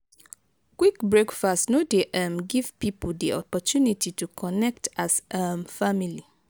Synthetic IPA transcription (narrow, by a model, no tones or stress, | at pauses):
kwikbɹekfastnodeʔamɡiv̥pipdiʔɔpɔtʰjunitʰitukʰɔnɛk̚tasamfamili